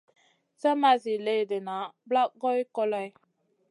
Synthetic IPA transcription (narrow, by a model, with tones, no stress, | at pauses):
sə˦ma˦zi˨le˦˨də˨na˨˦bla˦ʔɡɔ˦jkɔ˦la˦j